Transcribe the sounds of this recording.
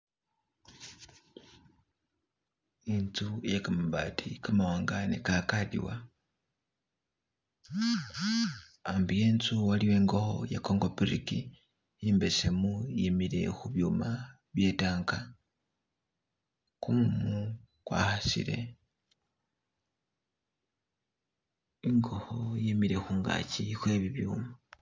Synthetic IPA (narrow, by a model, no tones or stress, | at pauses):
int͡sujekamaβatʰikamawaːŋɡanḛkakadḭwa | ambijeːnt͡suwaliwe̞ːŋɡoxo̰jakoŋɡo̞piɾiki | jiːmbesemujimiɾe̞̰xuβjuːma | βje̞taːŋka | kumumu | kwa̰xasḭɾe̞̰ | iŋɡo̞hojimiɾe̞xuːŋɡa̰cixwe̞βiβjuːma